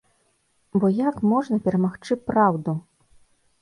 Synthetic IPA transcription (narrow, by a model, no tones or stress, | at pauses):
bɔjakmɔʐnɐpʲɛɾɐmaxt͡ʂɨpɾawd̪u